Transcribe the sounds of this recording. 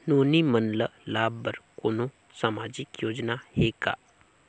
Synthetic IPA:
noːnimənləlaːbːəɾkoːnõ | saːmaːd͡ʒɪkjoːd͡ʒnaheka̰ː

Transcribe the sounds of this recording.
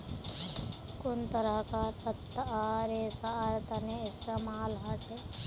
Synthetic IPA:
kʊnt̪əɾəɦkat̪ət̪ːəaɾesaɾt̪əneɪst̪emaːlɦat͡ʃʰe

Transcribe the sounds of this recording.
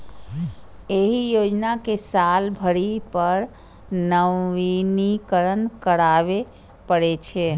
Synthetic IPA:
eɦijod͡ʒnakesalbʱəɾipəɾ | nəʋinikəɾənkəɽaʋe | pəɽet͡ʃʰɛ

